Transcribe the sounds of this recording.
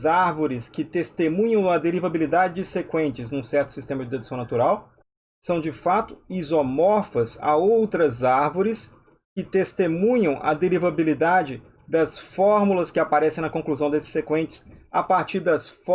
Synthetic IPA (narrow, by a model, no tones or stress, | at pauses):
zaɾvoɾɪskɪt̪est̪emũɲɐ̃w̃ɐd̪eɾivabilid̪ad͡ʒɪd͡ʒɪsekwẽnt͡ʃɪznũsɛɾt̪ʊ̥sist̪ẽmɐd͡ʒɪd̪ed̪usɐ̃w̃nat̪uɾaw | sɐ̃w̃d͡ʒɪfat̪ʊizomɔɾfɐza̰owt̪ɾɐzaɾvoɾɪs | kɪt̪est̪emũɲɐ̃w̃ʔɐ̰d̪eɾivabilid̪ad͡ʒɪ | d̪ɐsfɔɾmulɐskɪapaɾɛsẽj̃nɐkõkluzɐ̃w̃d̪esɪ̥sːekwẽnt͡ʃɪ̥sapaɾt͡ʃiɾd̪ɐs